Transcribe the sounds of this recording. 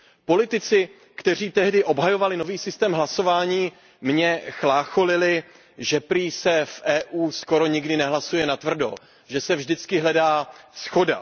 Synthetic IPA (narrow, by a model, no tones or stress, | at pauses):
po̞lɪt̪ɪt͡sɪ | kt̪ɛr̝iːt̪ɛɦdɪʔo̞bɦajo̞valɪno̞viːsɪst̪ɛːmɦlaso̞vaːɲiː | mɲɛxlaːxo̞lɪlɪ | ʒɛpɾiːsɛfʔɛːʔuːsko̞ɾo̞ɲɪɡdɪnɛɦlasujɛnat̪vr̩do̞̰ | ʒɛsɛvʒdɪt͡skɪɦlɛdaːsxo̞da̰